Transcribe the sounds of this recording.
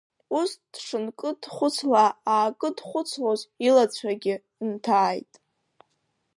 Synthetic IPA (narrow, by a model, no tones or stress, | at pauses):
usd̥ʂɨnkʼɨdχʷʊt͡sʰlaaːkʼɨdχʷʊt͡sʰlozilat͡ɕʷʰaɡʲɪ | ntʰaːjtʼ